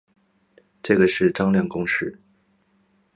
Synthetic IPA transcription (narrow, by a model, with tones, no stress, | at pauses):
ʈ͡ʂɤ˥˩ɡə˩ʂɻ̩˥˩ʈ͡ʂɑ˥ŋljɑ˥˩ŋkʊ˥ŋʂɻ̩˥˩